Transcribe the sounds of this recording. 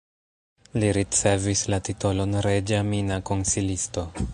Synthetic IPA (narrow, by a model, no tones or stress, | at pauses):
liɾit͡se̞vislatito̞lo̞nɾed͡ʒaminako̞nsilisto̞